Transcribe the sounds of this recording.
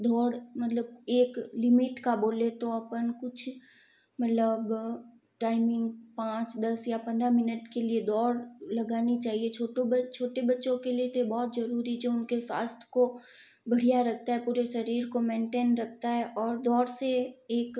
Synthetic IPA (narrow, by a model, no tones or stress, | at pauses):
d̪ʱɔːɽmɐt̪ləb̚eːklɪmɪʈkaboːlet̪oɐpənkʊt͡ʃʰ | mɐt̪ləb | ʈaːɪmɪ̃ŋɡpãːt͡ʃd̪ɐsjapɐ̃nd̪ɾamɪnəʈkelied̪ɔːɾlɐɡaːnit͡ʃaːɦiet͡ʃʰoːʈobt͡ʃʰoːʈebɐtːʃõkeliet̪obɔːt̪zɐɾuːɾid͡ʒoʊnkeswa̰ːst̪ʰjko | bɐɽ̤ijaɾɐk̚ʰt̪aɦɛpuːɾeʃɐɾiːɾkomẽːɳʈeːnɾɐk̚ʰt̪aɦɛʔɔːɾd̪ɔːɽseeːk